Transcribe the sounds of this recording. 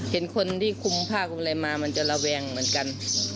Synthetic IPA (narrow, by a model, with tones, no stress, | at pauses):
he˨˩˦nkʰo˧nt̪ʰiː˥˩kʰu˧mpʰaː˥˩k̚a˧la˧jmaː˧ma˧nt͡ɕa˧ʔla˧wɛː˧ŋmɯ˩˦ənka˧n